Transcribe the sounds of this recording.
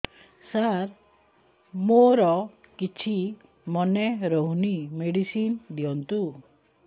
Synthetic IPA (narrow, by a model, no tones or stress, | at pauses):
saɾ | moɾɔ | kit͡ʃʰi | mɔneɾɔɦunimeɽisind̪iɔnt̪u